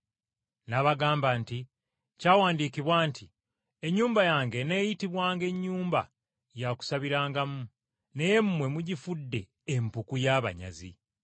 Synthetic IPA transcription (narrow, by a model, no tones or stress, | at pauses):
naβaɡaːmbaːnti | caːwaːndiːkiβwaːntʰi | e̞ɲːuːmbajaːŋɡe̞ne̞ːjitiβwaːŋɡe̞ɲːuːmba̰ | jaku̥saβiɾaːŋɡamu | ne̞je̞mumwe̞muɟifudːe̞ː | mpukujaːβa̰ɲa̰zḭ